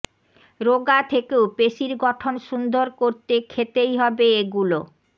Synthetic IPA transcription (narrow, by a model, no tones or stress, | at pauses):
ɾoɡat̪ʰekeopeʃiɾɡɔʈʰonʃund̪oɾkoɾt̪ekʰet̪ejɦɔbeeɡulo